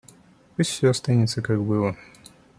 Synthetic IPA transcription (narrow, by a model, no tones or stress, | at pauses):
pusʲtʲfʲsʲoɐst̪anʲɪt̪səkaɡbɨlˠə